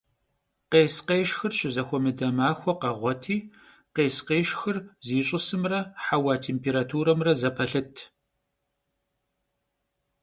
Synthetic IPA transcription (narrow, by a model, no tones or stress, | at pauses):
qeːsqeːʃxɨrʃɪzɐxʷɔmɨdɐmaːxʷɔqɐʁʷɔtʰiː | qeːsqeːʃxɨrziːɕʼʊsɨmrɐħawaːtʰeːmpʰeːɾaːtʰuːɾɐmrɐzɐpʰɐɬɨtʰ